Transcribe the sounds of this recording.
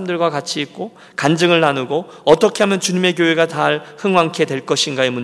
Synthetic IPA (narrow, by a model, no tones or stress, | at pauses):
mdɯɭɡwakat͡ɕʰiːk̚k͈o | kand͡ʑɯŋɯɭnanuɡo | ʌt͈ʌkʰeɦamjʌnt͡ɕuɲime̞k̬joɦe̞ɡat͡ɕaɭhɯŋwaŋkʰe̞dweɭk͈ʌɕʰinɡaemuɲ